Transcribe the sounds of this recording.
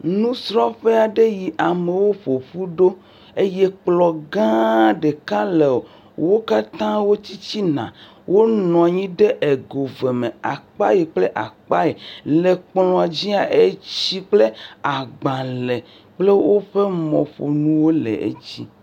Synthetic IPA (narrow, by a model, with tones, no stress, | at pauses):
nũ˦sɾɔ˦ɸe˦a˨ɖe˦ji˨ʔa˨me˨wo˦ɸo˨ɸu˦ɖo˦ | e˦jɛ˦k͡plɔ˨ɡã˦ɖe˨kã˦le˨o˨ | wo˦ka˦t̪ã˦wo˦t͡ɕi˦t͡ɕi˦nã̰˨ | wʔo˦nɔ̃˨ɲĩ˦ɖe˦ʔe˨ɡo˨ve˨mẽ˨a˨k͡pa˦je˨k͡ple˦ʔa̰˨k͡pa˦e˨le˨k͡plɔ̃˨a˨d͡ʑi˦a˨ʔe˦t͡ɕi˦k͡ple˦a˨ɡ͡bã˨le˨ | k͡ple˦wo˦ɸe˦mɔ̰̃˨ɸo̰˨nũ˦wo˦lḛ˨ḛ˦t͡ɕi˦